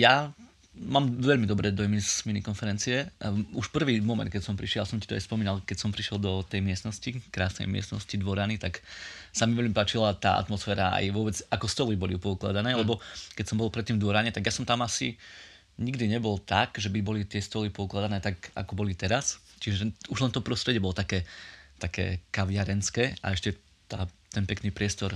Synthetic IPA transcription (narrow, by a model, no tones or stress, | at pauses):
ja | maːmʋɛʎmid̪ɔbɾɛd̪ɔmisminikɔnfɛɾɛnt͡siɛuʃpr̩ʋiːmɔmɛ̰nt̪kɛcsɔmpɾiʃɪɛlasɔmcit̪ɔa̰jspɔmiːnalˠkɛcsɔmpɾiʃjɛlˠd̪ɔt̪ɛjmɪɛsnɔscikɾaːsnɛ̰jmɪɛ̰snɔ̰scid̪ʋɔɾanit̪aksamiʋɛʎmipaːt͡ʃilat̪a̰ːa̰t̪mɔsfɛːɾaa̰jʋʊɔbɛd͡zakɔst̪ɔlibɔlipɔukla̰d̪anɛːlɛbɔkɛcsɔmbɔlˠpɾɛt̪ːiːmvd̪ʋɔɾaɲɛt̪aɡjasɔmt̪amasḭ | ɲiɡd̪iɲɛbɔlt̪aɡʒɛbibɔlit̪ɪɛst̪ɔlipɔuklad̪anɛːt̪aɡa̰kɔbɔlit̪ɛɾast͡ʃiʒɛuʒlɛnt̪ɔpɾɔst̪ɾɛɟjɛbɔlɔt̪akɛːt̪akɛ̰ːkaʋɪaɾɛnskɛːa̰ɛʃcɛ | t̪aːt̪ɛnpɛknipɾɪɛst̪ɔɾ